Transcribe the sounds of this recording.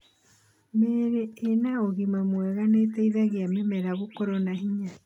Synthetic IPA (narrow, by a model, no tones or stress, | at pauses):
meːɾeːnaoɣimamwɛɣanetɛiðaɣeamemɛɾaɣokɔɾɔnaɦiɲa